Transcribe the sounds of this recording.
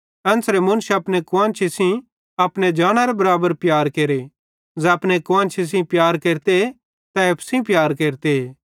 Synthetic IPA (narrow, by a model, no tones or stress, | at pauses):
ɐ̃nsɾemʊ̃nʃɐpñekʋãːnt͡ʃʰisĩ | ɐpɽed͡ʒaːɽ̃aɾebɐɾaːbəɾpjaːɾkeːɾe | d͡zɛɐpɽ̃ekʊʋãːnt͡ʃʰis̬ĩpjaːɾkeːɾt̪e | t̪ɐepʰsĩpjaːɾkeːɾt̪eeː